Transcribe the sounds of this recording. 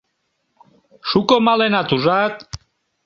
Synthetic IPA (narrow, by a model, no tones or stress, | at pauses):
ʃukomalenat̪uʒat̪